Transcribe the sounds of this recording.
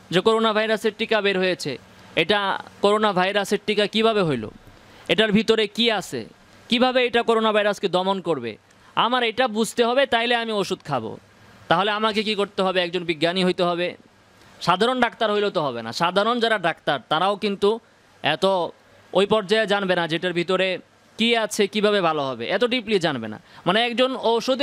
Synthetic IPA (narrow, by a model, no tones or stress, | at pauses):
d͡ʑekoɾonabʱajɾaseɾʈikabeɾɦojet͡ɕʰḛ | eʈakoɾonabʱajɾaseɾʈikakibʱaβeɦojlo̰ | eʈaɾbʱit̪oɾekiat͡ɕʰḛ | kibʱabeejʈakoɾonabʱajɾasked̪ɔmonkoɾbḛ | amaɾejʈabud͡ʑʱt̪eɦɔbet̪ajleamioʃud̪kʰabo̰ | t̪aɦoleamakekikoɾt̪eɦɔbeɛkd͡ʑonbiɡːaniɦojt̪eɦɔβe | ʃad̪ʱaɾonɖakt̪aɾɦojlot̪oɦɔbena̰ʃad̪ʱaɾond͡ʑaɾaɖak̚t̪aɾt̪aɾaokint̪u | ɛt̪o | ojpɔɾd͡ʑaed͡ʑanbenad͡ʑeʈaɾbʱit̪oɾe | kiat͡ɕʰekibʱaβebʱaloɦɔbḛʔɛt̪oɖiplid͡ʑanbḛna̰maneɛkd͡ʑonoʃud̪